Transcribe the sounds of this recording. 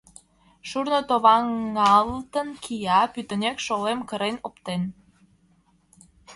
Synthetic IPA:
ʃurnot̪oβɑŋːɑlt̪ənkʰijɑpyt̪ə̆nekʃolemkəɾenopt̪en

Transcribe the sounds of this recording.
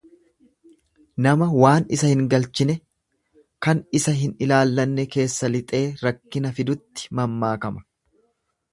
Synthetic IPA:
nɐmɐwaːnɪsɐhɪŋɡɐlt͡ʃɪnɛ | kɐnɪsɐɦɪnɪlaːlːɐnːɛke̞ːsːɐlɪt̪ʼe̞ːɾɐkːɪnɐfɪd̪ʊt̪ːɪ̥mɐmːaːkɐmɐ̥

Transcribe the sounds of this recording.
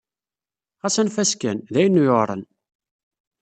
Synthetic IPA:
ʁɑsənfæskænðæjənːujoʁɾˤə̰n

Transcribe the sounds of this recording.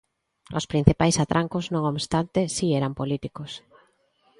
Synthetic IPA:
o̰spɾin̟θipajsat̪ɾʔaŋkoznõŋoβst̪ant̪esiɛɾampolit̪ikos

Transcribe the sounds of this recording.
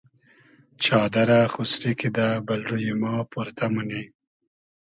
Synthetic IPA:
t͡ʃɑːd̪aɾaxusɾikid̪abalɾujimɑːpuɾt̪amune

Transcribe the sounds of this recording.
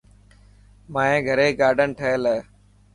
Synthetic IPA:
mãːẽːɡʱəɾeːɡaːɖənʈʰəelː

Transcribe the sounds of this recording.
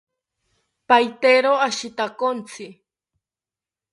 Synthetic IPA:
pajt̪eɾoaʃɪt̪akont͡sʰɪ

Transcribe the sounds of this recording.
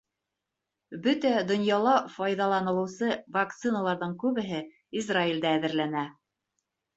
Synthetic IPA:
bɵt̪æd̪ŏnjɑlˠɑfɑjðɑlˠɑnɤ̆lˠɤ̆wsɤvakt̪sɨnalˠɑɾðɤɴkʉβɘ̆ɦɘ | izraild̪æːðɘ̆ɾlænæ

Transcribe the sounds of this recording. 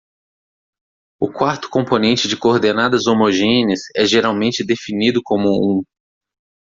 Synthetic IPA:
ʊkwaɾt̪ʊ̥kõmponẽnt͡ʃɪd͡ʒɪkoɾd̪enad̪ɐzomoʒẽnɪsɛʒeɾawmẽnt͡ʃɪd̪efinid̪ʊkõmʊũ

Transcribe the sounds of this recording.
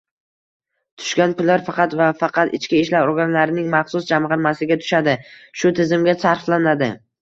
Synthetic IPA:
t̪ʰʊ̥ʃɡʲanpʊlːaɾfɑqɑt̪vafɑqʰɑt̪ɪ̰t͡ʃkʲɪɪʃlaɾoɾɡʲanlaɾɪnɪŋmɑχsʊsd͡ʒamʁɑɾmasɪɡʲat̪ʰʊ̥ʃad̪ɪʃʊt̪ʰɪzɪmɡʲasaɾflanad̪ɪ̰

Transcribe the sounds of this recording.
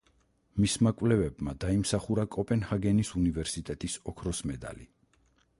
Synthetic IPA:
mismakʼwlɛvɛbmad̪aimsaχuɾakʼɔpʼɛnhaɡɛnisunivɛɾsit̪ʼɛt̪ʼisɔkʰɾɔsmɛd̪a̰li

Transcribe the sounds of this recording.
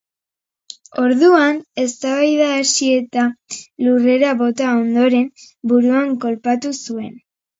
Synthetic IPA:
o̞ɾðuane̞st̪aβajðaːsie̞t̪alure̞ɾaβo̞t̪ao̞nd̪o̞ɾe̞m | buɾuaŋko̞lpat̪usue̞n

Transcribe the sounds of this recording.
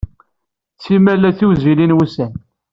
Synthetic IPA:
t͡sːimælːæθiwzilinwusæn

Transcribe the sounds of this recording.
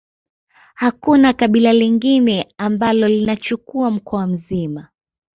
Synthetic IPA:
hakunakaɓilaliŋɡinɛambalɔlinat͡ʃukuam̩kɔam̩zima

